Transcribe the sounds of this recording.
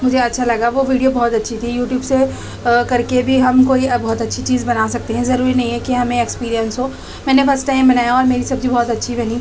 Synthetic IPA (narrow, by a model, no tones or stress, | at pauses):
mʊd͡ʒʱeɐtːʃʰalɐɡaʋoʋiːɖijobɔːt̪ɐtːʃʰit̪ʰijuːʈjuːbse | kɐɾkebʱiɦɐmkoːibɔːt̪ɐtːʃʰit͡ʃiːzbɐnaːsɐk̚t̪eɦɛ̃zɐɾuːɾinɐɦĩɦɛkiɦɐmẽekspiːɾijə̃nsɦo | mɛːnefɐɾsʈaːɪmbɐnaːjaɔːɾmeːɾisɐb̚d͡ʒʱibɔːt̪ɐtːʃʰibɐni